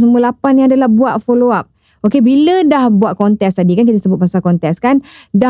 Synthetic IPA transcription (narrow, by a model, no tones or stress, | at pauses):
s̬əmuəlapanjaŋadalahbuaʔ̪̚foloap̚ | okebilədahbuaʔ̪̚kɔnt̪ɛkst̪adikank̬it̪əsəbʊt̪̚masakɔnt̪ɛkskanda